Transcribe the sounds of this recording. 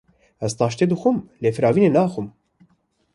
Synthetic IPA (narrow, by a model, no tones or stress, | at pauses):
ɛzt̪ʰɑːʃt̪eːd̪əxumleːfɾɑːviːnenɑːxum